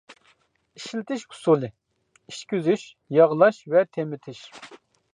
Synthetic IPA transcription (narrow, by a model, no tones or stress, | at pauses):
iʃlɪt̪ʰɪʃhʰu̥sulˠɨ | iʃkʲyzyʃ | jɑʁlˠɑʃvɛt̪ʰemɪt̪ʰɪʃ